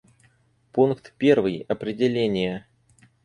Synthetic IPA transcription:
punkt̪pʲervɨjɐpɾʲɪdʲɪlʲenʲɪjə

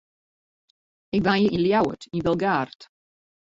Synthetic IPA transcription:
ɪk̚vajəʔiljawə̰tinvɛlˠɡaːrt

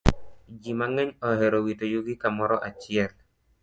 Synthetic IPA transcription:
d͡ʒimaŋɛɲɔɦɛɾowitojuɡikamɔɾɔʔat͡ʃɪɛl

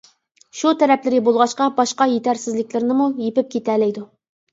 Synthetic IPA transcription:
ʃut̪ʰɛɾɛplɪɾɪbolˠʁɑʃqɑbɑʃqɑjet̪ʰæɾsɪzlɪkʲlɪɾnɪmujepɪp̚kʲʰet̪ælɛjd̪u

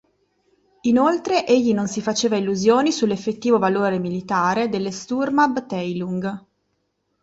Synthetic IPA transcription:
inolt̪ɾeʔeʎːinonsifat͡ʃeːvailːuzjoːnisulːefːet̪ːiːvovaloːɾemilit̪aːɾed̪elːest̪urmabt̪ɛjluŋɡ

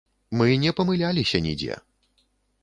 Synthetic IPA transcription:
mɨnʲɛpɐmɨlʲalʲisʲɐnʲḭd͡zʲɛ̰

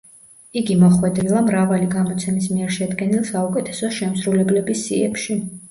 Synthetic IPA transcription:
iɡimɔχwɛd̪ɾilˠamɾavaliɡamɔt̪sʰɛmismiɛɾʃɛd̪ɡɛnilˠsaukʼɛt̪ʰɛ̥sɔʃɛmsɾulɛblɛbisːḭɛpʃi

